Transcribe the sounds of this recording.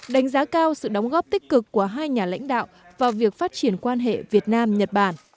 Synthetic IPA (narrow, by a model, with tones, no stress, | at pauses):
ɗa˨˦ŋ̟zaː˨˦kaː˧wsɨ̰˧˨ɗə˨˦wŋ͡mɣɔ˦˥p̚t̪ï˦˥k̟̚kɨ˨˩kːu˧˩əɦaː˧jɲaː˨˩la̰˧˥jŋ̟ɗa̰ː˧˨wvaː˨˩wvi˨˩ək̚faː˦˥t̚t͡ɕi˧˩ənkwaː˧nɦḛ˧˨vi˨˩ət̚naː˧mɲə˨˩t̚ɓaː˧˩n